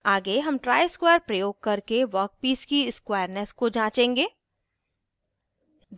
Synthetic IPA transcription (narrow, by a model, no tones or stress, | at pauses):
aːɡeɦɐmʈɾaːɪɪskweːəɾpɾɐjoːɡ̚kɐɾkeʋəɾk̚piːskiɪskwaːjəɾnəskod͡ʒãːt͡ʃẽːŋɡeː